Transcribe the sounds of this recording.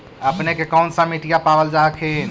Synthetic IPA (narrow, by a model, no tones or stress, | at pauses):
əpnekekɔːnsamiʈijapaʋəld͡ʒaːkʰe